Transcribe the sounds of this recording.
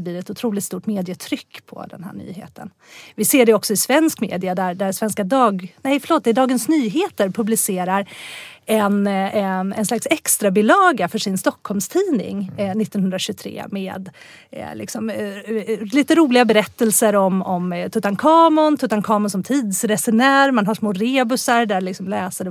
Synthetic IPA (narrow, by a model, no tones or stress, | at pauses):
bliːɾɛt̪ʊt̪ʰɾuːlɪt̪st̪uːʈmeːd̪ɪət̪ʰɾʏkːpʰɔ̰d̪ɛ̰nɦæ̰ːɳy̰ːɦḛːt̪ʰə̰n | vɪseːɖɛɔksɔɪsvɛnskmḛːd̪ɪad̪æɖæsvɛnskad̪ɑːɡnɛjfœ̥ɭoːt̪̚d̪ɛɖɑːɡənsnyːɦeːt̪əɾpʰɵblɪseːɾaɾɛn | ɛ̰nslaksɛkst̪ɾabɪlɑːɡafœʂɪnst̪ɔkʰːɔlmst̪ʰiːnɪ̰ŋnɪt̪ːɔnhɵnd̪ɾaɕʉt̪ʰɾḛːmeːd̪̰ | lɪ̰ksɔm | liːt̪əɾuːlɪɡabɛɾɛt̪ːɛlsəɾɔmɔmt̪ʰɵt̪ankʰɑːmʊnt̪ʰɵt̪ankʰɑːmʊnsɔmt̪ʰiːd̪sɾɛsɛnæːɾmanɦaʂmoːɾeːbɵsaɾɖælɪksɔmlɛːsəd